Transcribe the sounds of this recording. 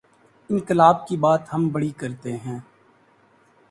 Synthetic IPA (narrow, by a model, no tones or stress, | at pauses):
ɪ̃nkɪlaːb̚kibaːt̪ɦəmbəɽikɐɾt̪eɦɛ̃ː